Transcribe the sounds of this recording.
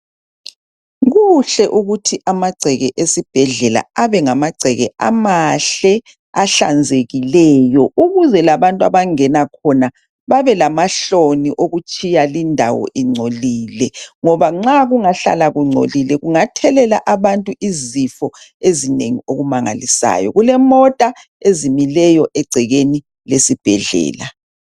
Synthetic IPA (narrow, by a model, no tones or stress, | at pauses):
ɣuɬɛʔuɣutʰiʔamaɡ͡ǀʱɛɣɛʔesib̥ʱɛɮɛla̰aβɛŋamaɡ͡ǀʱɛɣɛa̰maɬɛ | aɬa̰nd͡zʱeɣilɛːjɔʔuɣuzɛlaβantʼwa̰βaŋɛnakʰɔna | βaβɛlamaɬoniʔoɣut͡ʃʼijalindʱawɔ̰ʔiŋ͡ǀʱoliːlɛŋɔβaŋ͡ǀaɣuŋaɬa̰laɣuŋ͡ǀʱo̰lilɛɣuŋatʰɛlɛla̰ʔaβantʼuʔizifɔezineŋioɣumaŋa̰lisa̰ːjɔ̰ɣulɛmɔtʼa | ezimilɛjɔʔɛɡ͡ǀʱɛɣeni | lesib̥ʱɛɮɛ̰ːla